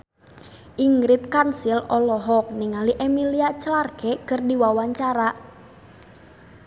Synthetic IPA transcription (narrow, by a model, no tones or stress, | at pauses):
ʔiŋɡɾɪt̪̚kansilɔlɔɦɔk̚niŋaliʔemiliat͡ʃəlarɡ̥ɛkərdiwawaɲt͡ʃaɾaʔ